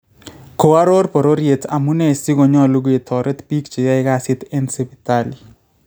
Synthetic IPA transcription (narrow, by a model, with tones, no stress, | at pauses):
ko˨a˦ɾo˦ɾpo˨ɾo˦ɾje˨ta˨mu˦nɛ˦˨si˦ɡo˨ɲɔ˦˨lu˦ɡo˦e˨t̪ʰɔ˨ɾe˦t̪pi˦kt͡ʃi˨ja˦ɪ˦ka˦˨sɪ˦t̪e˦nse˦bi˨t̪ali˨